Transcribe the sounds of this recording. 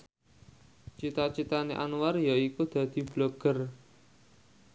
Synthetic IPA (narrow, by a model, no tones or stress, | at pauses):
t͡ʃit̪at͡ʃit̪aneʔa̰nuwarjaikud̪̥ä̤d̪̥i̤b̥loɡ̥ər